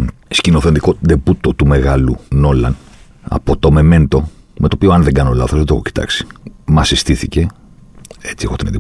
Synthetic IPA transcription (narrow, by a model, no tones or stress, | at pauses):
scinoθe̞nd̪ikod̪ebut̪ot̪ume̞ɣɐluno̞lɐ̰n | ɐ̰po̞t̪o̞me̞me̞nt̪o̞ | mʔe̞t̪o̞pioɐnðeŋɡɐnolɐ̰θozðet̪oxoci̥t̪ɐ̰ksi̥mɐsist̪iθice̞ | et͡siexot̪inet̪i